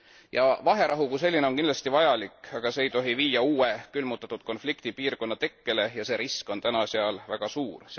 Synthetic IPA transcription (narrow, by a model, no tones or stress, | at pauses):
jɑvɑɦe̞ɾʔɑɦukuse̞lʲːineo̞ŋkind̪lɑst̪ivɑjɑlikɑɡ̥ɑse̞ːjt̪o̞ɦiviːjɑuːekylmut̪ːˑɑt̪ːˑud̪̥ko̞nflikt̪ipiːrko̞nːɑt̪e̞kːe̞le̞jɑse̞ːɾisko̞nt̪ænɑseɑlvæɡ̥ɑsuːr